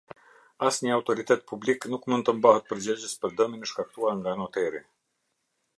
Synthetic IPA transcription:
asɲəawt̪ɔɾit̪ɛt̪̚pʰubliknukmund̪t̪əmbahət̪̚pəɾd͡ʑəd͡ʑəspəɾd̪əminəʃkak̚t̪uaɾŋɡanɔt̪ɛɾi

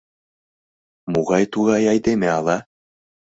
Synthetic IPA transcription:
muʁɑjt̪uɣɑjɑjd̪emeɑlˠɑ

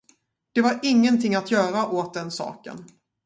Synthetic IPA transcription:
d̪̥ɛvaɾɪŋːənt̪ʰɪŋːat̪jœːɾaʔoːt̪̚d̪ɛnsɑ̰ːkə̰n

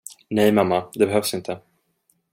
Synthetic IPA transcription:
nɛjmamːad̪ɛbɛɦœvsɪnt̪ʰə

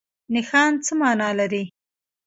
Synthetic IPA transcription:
nɪxɑnt͡səmɑnɑlaɾi

